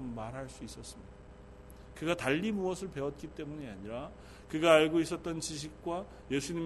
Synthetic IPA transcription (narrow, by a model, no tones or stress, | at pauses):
mmaɾɦaɭs͈uis͈ʌs͈ɯmɲi̥da | kɯɡataʎːimuʌsʰɯɭpe̞wʌt̚k͈it͈e̞muɲiaɲiɾa | kɯɡaːɭɡois̬͈ʌt̚t͈ʌnt͡ɕiɕ̬ʰik̚k͈wa | je̞sʰuɲim